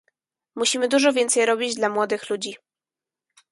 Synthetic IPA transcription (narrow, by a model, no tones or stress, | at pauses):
muɕimɘd̪uʐɔvʲjɛnt̪sɛjɾɔbʲid͡ʑd̪lamwɔd̪ɘxlud͡ʑi